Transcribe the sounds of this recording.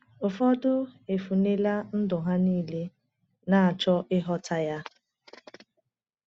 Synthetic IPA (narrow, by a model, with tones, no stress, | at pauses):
ʊ˨fɔ˦dʊ˦e˨fu˨ne˦la˦n̩˦dʊ˨ɦa˦niː˦le˦ | na˨a˨t͡ʃɔ˦ʔɪ˦ɦɔ˦tʰa˦ja˦